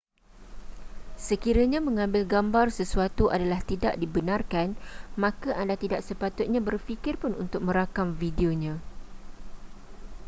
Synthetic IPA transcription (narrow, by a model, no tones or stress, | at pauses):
səkiɾaɲãmə̃ŋãmbɪlɡambarsəsuat̪uʔadalaht̪ida̰ʔdibənãrkanmãkaʔandat̪idaʔsəpat̪ʊt̪̚ɲãbərfikɪrpʊnṵnt̪ʊk̚mə̃ɾakamvidioɲã